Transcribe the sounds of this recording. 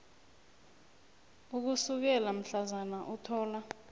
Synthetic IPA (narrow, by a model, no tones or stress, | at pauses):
uk̬usuk̬ɛlam̩ɬazanaʔutʰɔːla